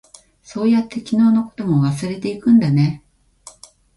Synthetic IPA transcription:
so̞ːjat̪ːe̞kʲino̞ːno̞ko̞̥t̪o̞mo̞βasɨɾe̞t̪e̞ikɯ̟̃nd̪ane̞

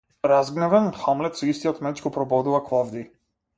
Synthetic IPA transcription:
ɾazɡnɛvɛnxamlɛt̪sɔist̪iɔt̪mɛt͡ʃɡɔpɾɔbɔd̪uvakvavd̪i

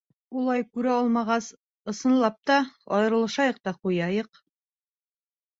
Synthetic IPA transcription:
ulˠɑjkʉɾæɒlˠmɑʁɑs | ɤ̆sɤ̆nlˠɑp̚t̪ɑɒjɤ̆ɾɤ̆lˠɤ̆ʃɑjɤq̚t̪ɑqujɑjɤq

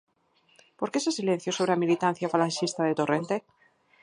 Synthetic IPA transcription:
po̞ɾkese̞silẽ̞n̟θjosoβ̞ɾeamilit̪an̟θjafalanʃist̪aðe̞t̪ore̞nt̪e̞

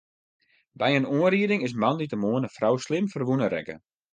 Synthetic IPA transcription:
bɛjənuənɾiədɪŋɪs̬manditəmoənəfrawslɪmfərʋunəɾɛ̰kə̰

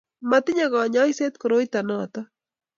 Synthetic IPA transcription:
mat̪ɪɲaɢɑɲajset̪kɾojt̪anaːt̪a

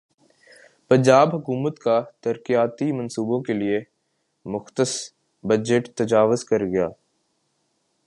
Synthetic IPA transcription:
pɐ̃ɲd͡ʒaːbɦɐkuːmət̪kat̪ɐɾkijaːt̪imɐ̃nsuːbõkelie | mʊxt̪əs | bɐd͡ʒəʈt̪ɐd͡ʒaːʋʊzkɐɾɡɐja̰ː

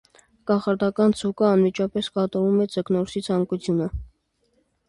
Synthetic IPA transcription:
kɑχɑɾd̪ɑkɑnt͡sʰukəɑnmit͡ʃʰɑpɛskɑt̪ɑvumɛt͡səknɔɾsit͡sʰɑŋkut͡sʰjunə

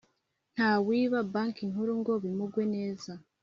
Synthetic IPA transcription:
n̥haːwiːβabaŋkiŋɦuɾuŋɡo̞βimuɡwe̞ne̞ːza

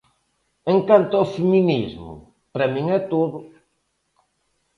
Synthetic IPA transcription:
eŋkant̪ʊawfeminizmʊ̰ | pɾɐmĩŋɛt̪oðʊ

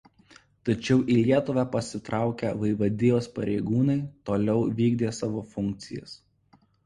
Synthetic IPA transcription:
t̪ɐt͡ʃʲɛʊʔiːlʲiɛt̪ʊʋʲæpɐsʲɪt̪ɾʔɑˑʊkʲɛʋɐɪʋɐd̪ʲɪːjoːspɐɾʲɛɪɡuːnɐɪt̪oːlʲɛʊʋʲiːɡd̪ʲeːsɑːʋoːfʊŋʲk̚t̪sʲɪjɛ̰s

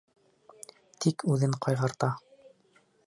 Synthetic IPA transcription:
t̪ʰikʰʉðɘɴqʰɑjʁɑɾt̪ɑ

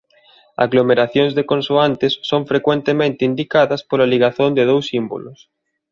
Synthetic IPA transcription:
a̰ɣlomeɾaθjoŋzðekõnsuant̪esːõɱfɾekwẽnt̪emẽnt̪eind̪ikaðɐspolaliɣaθond̪eð̞owsimbo̰los

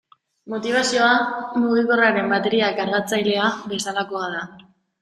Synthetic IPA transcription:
mo̞t̪iβ̞asio̞amuɣiko̞raɾe̞mbat̪e̞ɾiakaɾɣat͡sajle̞abe̞salako̞að̞a

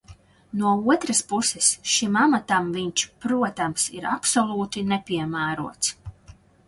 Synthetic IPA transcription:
nuɔuɔt̪ɾaspusɛsʃimamat̪amviɲt͡ʃpɾuɔt̪amsiɾapsɔlˠuːt̪inepʲiɛmæːɾuɔt̪s

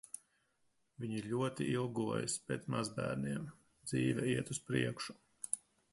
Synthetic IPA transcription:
vʲiɲiɾʎʲuɔt̪iʔilˠɡuɔjḭspet̪smazbæ̰ːɾniɛm | d̪zḭːvʲɛiɛt̪uspɾiɛkʃu̥

